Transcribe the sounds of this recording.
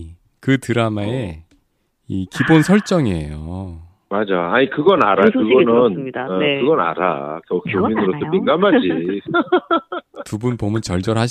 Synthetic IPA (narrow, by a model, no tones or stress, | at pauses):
kɯtɯɾamae | ikibonsʰʌɭt͡ɕ͈ʌŋeḛjo | mad͡ʑaaɲikɯɡʌnaɾakɯɡʌnɯndkɯɡʌna̰ɾa̰kʌkominɯɾosʰʌmiŋɡamad͡ʑi | tubunpomɯnt͡ɕʌɭd͡ʑʌɾaɕ